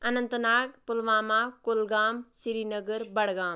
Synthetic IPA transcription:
ɐnənt̪ənaːɡpulʋaːmaːkolɡaːmsiɾinəɡəɾbɐɽɡaːm

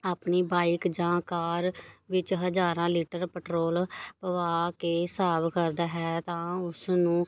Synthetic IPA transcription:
aːpniːbaːɪkd͡ʒãːkaːɾʋɪt͡ʃɦəd͡ʒaːɾãːliːʈəɾpəʈɾoːlpəʋaːkeːsaːbkəɾd̪aːɦɛːt̪ãːʊsnũː

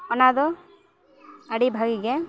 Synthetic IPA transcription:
ɔnad̪ɔ | aɽibʱaɡiɡɛ

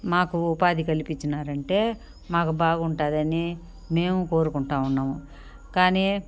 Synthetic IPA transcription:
maːkuupaːd̪ikɐlipit͡ʃːinaːɾɐɳʈe̞ː | maːkubaːɡɐuɳʈaːd̪ɐni | me̞ːmuko̞ːɾukuɳʈaːunːaːmu | kaːniː

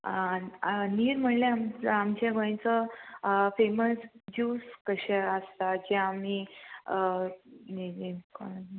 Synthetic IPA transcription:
aniːɾm̤əɳlẽamamt͡ɕaɡə̃j̃t͡sə | feməsd͡ʑuskəɕɛəst̪ad͡ʑɛam̤i | niiko

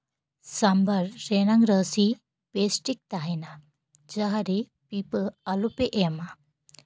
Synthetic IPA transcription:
sambəɾːenãŋɡɾəsi | pesʈik̚t̪aɦina | d͡ʒəɦaɾe | pipəalopeʔema

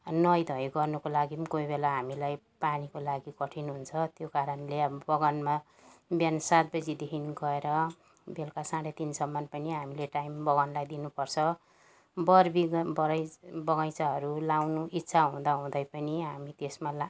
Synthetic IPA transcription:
nʌjd̪ʱʌjɡʌrnukolaɡikojbelaɦamilaj | panikolaɡikʌʈʰinɦunt͡sʰʌt̪jokaɾʌnlebʌɡʌnma | bjansat̪̚bʌd͡zid̪ekʰiniɡʌeɾʌ | belkasãɽet̪insʌmːʌnpʌniɦamileʈajmbʌɡʌnlajd̪inupʌrt͡sʰʌ | bʌrbibʌɾajbʌɡajt͡saɦʌɾulawnuʔitːsʰaɦũd̪aɦũd̪ʌjpʌniɦamit̪esmal

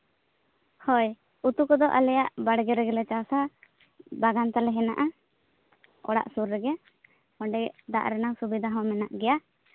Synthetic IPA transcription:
hɔj | ut̪ukɔd̪ɔʔa̰lɛjaʔbaɽɡɛɾɛɡɛlɛt͡ʃawsa | baɡant̪alɛɦɛnaʔa | ɔ̰ɽa̰ʔsuɾːɛɡɛ | ɔ̃ɖɛɛʔd̪a̰ʔɾɛnawsubid̪ʱaɦɔ̃mɛnaʔɡɛja

